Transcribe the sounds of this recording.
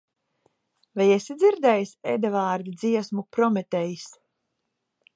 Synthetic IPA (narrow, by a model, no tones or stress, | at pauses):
vajesid̪zʲiɾd̪ɛjsed̪avaːɾd̪id̪ziɛsmupɾɔmɛt̪ɛjis